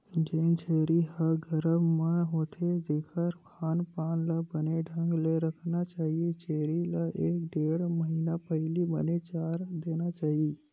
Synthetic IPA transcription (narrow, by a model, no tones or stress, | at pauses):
d͡ʒent͡ʃʰeːɾiɦəɡʱəɾəmːãɦoːt̪ʰed͡ʒeːkʰəɾkʰaːnpaːnlabəneɖʱə̃ŋɡleɾəkʰnat͡ʃaːɦiet͡ʃeːɾilaʔeːk̚ɖeːɽməɦiːnapəɦɪlibənet͡ʃaːɾd̪eːnat͡ʃaːɦie